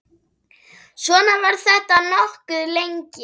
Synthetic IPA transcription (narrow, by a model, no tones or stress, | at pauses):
svɔːnavaɾ̥θɛht̪anɔhkʏðlejɲcɪ